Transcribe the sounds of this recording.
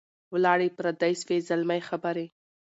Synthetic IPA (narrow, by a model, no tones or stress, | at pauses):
wlɑɽepɾad̪ajsfezalmajxabaɾe